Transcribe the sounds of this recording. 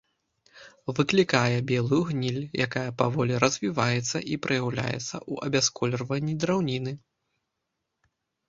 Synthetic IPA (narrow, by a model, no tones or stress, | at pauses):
vɨklʲikajɛbʲɛlˠujuɣnʲilʲjʔakajɐpavɔlʲiɾɐzʲvʲivajɛt̪sːɐʔipɾʔɨjawlʲa̰jɛ̰t̪sːɐ̰ʔuʔɐ̰bʲaskɔlʲrvɐnʲːid̪ɾawnʲinɨ